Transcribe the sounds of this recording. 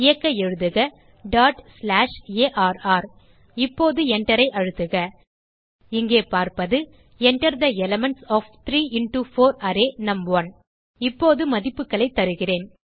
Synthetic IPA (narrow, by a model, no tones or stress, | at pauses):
ɪjɐkːɐɛɻɯðɯɣɐ | ɖaːʈslaːʂeːʔaːɾaːɾ | ɪpːoːðɯɛɳɖɐɾɐɪʔɐɻɯt̪ːɯɣɐ | ɪŋɡeːpaːɾpɐðɯ | ɛɳɖɐɾðɐɛlɐmɛɳsɔːft̪ɪɾiːɪɳʈufoːɾaːɾeːnɐmʋɐn | ɪpːoːðɯmɐðɪpːɯkːɐɭɐɪt̪ːɐɾɯɣɪreːn